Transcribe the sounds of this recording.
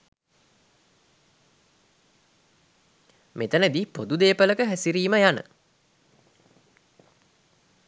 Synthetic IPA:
met̪ənəd̪ipod̪ud̪eːpələkəɦæsiɾiːməjanə̰

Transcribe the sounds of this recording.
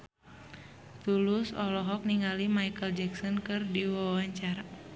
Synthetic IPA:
t̪ulusɔlɔɦɔk̚niŋɡalimaikəld͡ʒɛksɔnkɨrdiwawaɲt͡ʃaɾa

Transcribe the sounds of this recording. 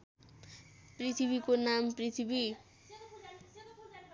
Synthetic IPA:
prit̪ʰibikonamprit̪ʰibi

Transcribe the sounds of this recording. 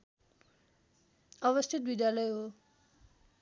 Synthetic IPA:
ʌβʌst̪ʰit̪̚bid̪jalʌjɦo

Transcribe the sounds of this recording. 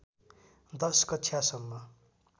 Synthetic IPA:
d̪ʌskʌjasʌmːʌ

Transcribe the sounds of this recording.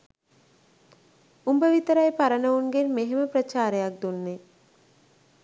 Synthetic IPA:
umbəʋit̪əɾɐjpaɾənəuŋɡenmeɦeməpɾɐt͡ʃaːɾejak̚d̪unːe

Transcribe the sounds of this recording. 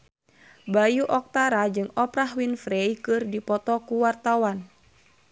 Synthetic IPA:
bajuʔɔk̚t̪aɾad͡ʒɨŋɔpɾaɦwinfɾɛjkɨrdipɔt̪ɔkuwart̪awan

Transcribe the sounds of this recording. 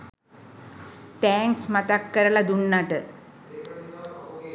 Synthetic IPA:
t̪ɛːŋksmat̪akːəɾəlad̪uɳːaʈə

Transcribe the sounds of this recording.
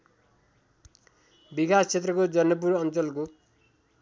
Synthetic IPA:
bikasʰt͡sʰet̪rʌkod͡zʌnʌp̬urʌnt͡sʌlko

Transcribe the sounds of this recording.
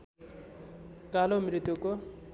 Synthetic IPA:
kalomɾit̪uko

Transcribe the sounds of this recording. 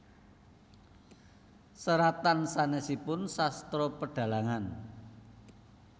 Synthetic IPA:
səɾat̪ansanɛsipʊnsast̪ɾɔpəɖ̥a̤laŋan

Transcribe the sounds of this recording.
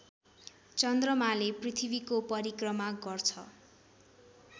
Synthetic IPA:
t͡sʌnd̪rʌmaleprit̪ʰibikopʌɾikrʌmaɡʌrt͡sʰʌ

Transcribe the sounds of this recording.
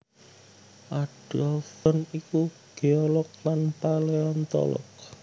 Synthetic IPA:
ʔad̥ɔltɔniku | ɡ̥eɔlɔk̚lanpaleɔnt̪ɔ̰lɔ̰k̚

